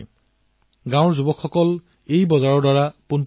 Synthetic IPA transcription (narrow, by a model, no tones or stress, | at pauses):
ɡãw̃ɹzubɔkʰxɔkɔl | ejbɔzaɹɔdwaɹapunt